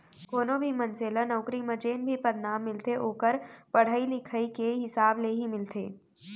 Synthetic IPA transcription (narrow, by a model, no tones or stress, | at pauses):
koːnõbʱimə̃nt͡ʃeːlənəʊkɾimə̃d͡ʒeːnbʱipɐd̪naːmːɪlt̪eʔoːkəɾpɐɽ̤aːilɪkʰəikeɦɪsaːbleɦimɪlt̪ḛː